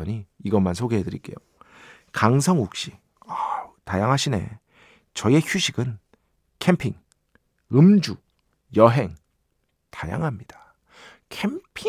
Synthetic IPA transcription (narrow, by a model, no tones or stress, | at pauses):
ʌɲiiɡʌmansʰoɡeɦedɯɾḭk͈e̞jo | kaŋsʰʌŋuk̚ɕ͈i | atajaŋɦaɕʰine̞̰ | t͡ɕʌe̞çuɕʰiɡɯn | kʰe̞mpʰiŋ | ɯmd͡ʑu | jʌɦe̞ŋ | taja̰ŋɦamɲid̥ḁ | kʰempʰi